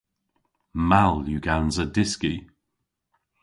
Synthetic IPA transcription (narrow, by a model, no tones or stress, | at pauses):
maljuɡanzədɪski